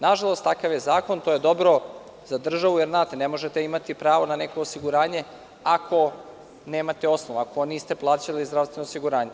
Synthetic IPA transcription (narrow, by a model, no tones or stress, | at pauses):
naʒalˠo̞st̪akaʋjezaːko̞nt̪ojed̪o̞bɾo̞ | z̥ad̪r̩ʒaʋujeɾznaːt̪enemo̞ʒet̪eimat̪ipɾaːʋo̞nane̞ko̞ːsiɡuɾaːɲe̞ | akʰo̞ | ne̞ːmat̪eo̞snoʋaːko̞niːst̪e̞plˠaːt͡ɕalizd̪ɾavst̪ʋenoosiɡuɾaːɲe